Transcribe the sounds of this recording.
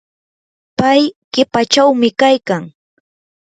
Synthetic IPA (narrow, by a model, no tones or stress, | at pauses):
pajɢɪpat͡ʃawmɪkajkaŋ